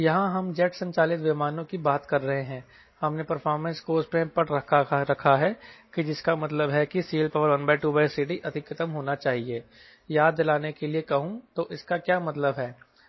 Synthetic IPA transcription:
jɐɦãɦɐmd͡ʒɛːʈsɐ̃ɲt͡ʃaːlɪt̪ʋɪmaːnõkibaːt̪kɐɾːɐɦẽɦɛ̃ː | hɐmnepɐɾfʰɔːɾmə̃nskoːspẽpɐʈɐɾɐkʰaɦɛkid͡ʒɪskamɐt̪ləbɦɛkisiːlpɐʋəɾʋɐnbaɪʈubasiːɖiʔɐd̪ʱɪkʰːɐt̪əmɦoːnat͡ʃaːɦieː | jaːd̪ːɪlaːnekeliekɐɦũt̪oʔɪskakjaːmɐt̪ləbɦɛː

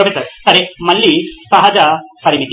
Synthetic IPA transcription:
ɾɐfesɐɾsɐɾemɐlːisɐɦɐd͡ʒɐpɐɾimit̪

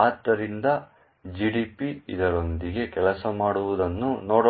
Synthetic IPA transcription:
aːd̪ɐɾind̪ɐ | d͡ʒiːɽiːpiḭd̪ɐɾo̞nd̪iɡe̞kɛlɐsɐmaːɽuʋud̪ɐnːunoːɽ

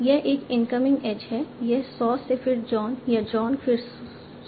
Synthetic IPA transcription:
jeʔɪːkɪ̃nkəmɪ̃ŋɡeːd͡ʒɦɛːjesɔːsepʰɪɾd͡ʒɔːnjad͡ʒɔːnfʰɪɾ

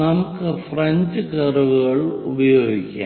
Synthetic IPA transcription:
ɐmukːɨfrɐɲd͡ʑɨkɐruʋuɣɐɭubɐjo̞ːɡikʲːa̰ː

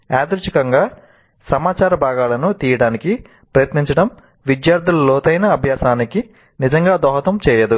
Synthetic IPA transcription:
aːd̪ɐɾut͡ʃikɐŋɡaː | sɐmaːt͡ʃaːɾɐbʱaːɡaːlɐnut̪iːjɐɽaːniki | pɾɐjɐt̪niɲt͡ʃɐɽɐm | ʋid̪jaːɾd̪ʱulɐlɔːt̪ɐjnɐːbʱjaːsaːniki | nid͡ʒɐŋɡaːd̪ɔːɦɐt̪ɐmt͡ʃɛːjɐd̪u

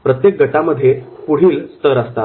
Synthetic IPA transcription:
pɾət̪jek̚ɡəʈaməd̪ʱːjepuɽ̤iːlst̪əɾəst̪a

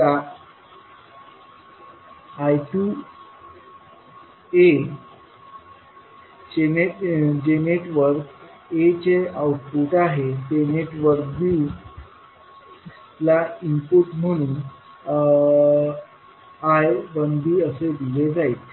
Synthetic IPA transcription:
a | ajʈu | e | d͡ʑened͡ʑeneʈʋəɾk | et͡ɕeauʈpuʈaɦet̪eneʈʋəɾkb̪i | laimpuʈm̤əɽ̃ũ | ajbənd̪iːəsed̪iled͡zait̪

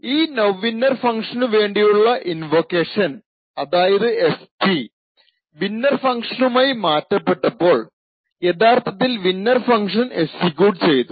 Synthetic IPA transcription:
iːnoʋʋːinːɐrfɐŋkʂɐnɨʋe̞ːɳɖijuɭːɐʔinʋokːeːʂɐn | ɐðaːjɐðɨespi | ʋinːɐrfɐŋkʂɐnumaːjimaːtːɐpːe̞ʈːɐpːo̞ːɭ | e̞t̪ʰaːrt̪ʰɐt̪̬ːilʋinːɐrfɐŋkʂɐnesikʲjuːʈt͡ɕe̞jt̪u

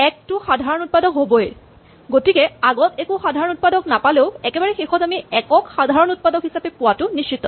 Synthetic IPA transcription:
ɛk̚tʊxadʱaɹɔnut̚padɔkɦobɔɛ | ɡotikɛaɡɔtɛkoxadʱaɹɔnut̚padɔknapaleʊɛkɛbaɹɛxexɔtamiɛkɔkxadʱaɹɔnut̚padɔkɦisapɛpʊwatʊnist͡ʃit̪ɔ

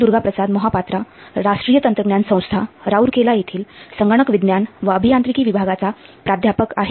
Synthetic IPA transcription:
d̪uɾɡapɾəsad̪mɔɦapat̪ɾaɾaʂʈɾiːjət̪ənt̪ɾəɡɳjansə̃w̃st̪ʰaɾauɾkelajet̪ʰiːlsəŋɡəɽ̃ɳəkʋid̪njanʋəəbʱijãnt̪ɾikiːʋibʱaɡat͡sapɾad̪ʱjapəka̰ɦe

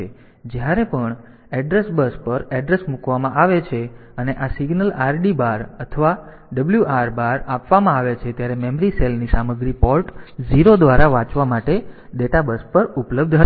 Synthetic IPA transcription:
d͡ʒjaɾepəɳ | ɛɖɾesbəspəɾɛɖɾesmukʋamãʔaʋet͡ʃʰe | əneʔasiɡnəlaɾɖibaɾət̪ʰəʋa | ɖəbljuʔaɾbaɾapʋamãaʋet͡ʃʰet̪jaɾemɛmɾiselnisaməɡɾipɔɾʈd͡ʒiɾod̪ʋaɾaʋãt͡ʃʋamaʈeɖeʈabəspəɾupləb̚d̪ʱ

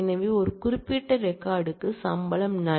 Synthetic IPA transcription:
nɐʋiɔɾɯkʊɾɪpːiʈːɐɾɛkːaːɽɯkːɯsɐmbɐlɐmnɐ

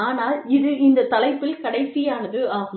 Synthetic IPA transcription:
aːnaːlɪðɯʔɪnd̪ɐt̪ɐlɐɪpːɪlkɐɽɐɪsijaːnɐðɯaːɣɯ

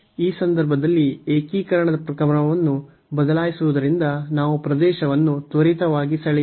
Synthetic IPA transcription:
iːsɐnd̪ɐɾbʱɐd̪ɐlːieːkiːkɐɾɐɳɐd̪ɐpɾɐkɐmɐɳɐʋɐnːu | bɐd̪ɐlaːjisuʋud̪ɐɾind̪ɐnaːʋupɾɐd̪ɛːʃɐʋɐnːut̪ʋɐɾit̪ɐʋaːɡisɐɭ

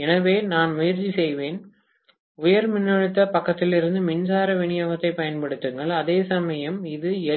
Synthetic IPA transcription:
ɛnɐʋeːnaːnmʊjɐɾt͡ʃːisɛjʋeːn | ʊjɐɾmɪnːɐɻɯt̪ːɐpɐkːɐt̪ːɪlɪɾɯnd̪ɯmɪnsaːɾɐʋɛɳɪjoːɣɐt̪ːɐɪpɐjɐnpɐɽɯt̪ːɯŋɡɐɭɐðeːsɐmɐjɐmɪðɯɛ

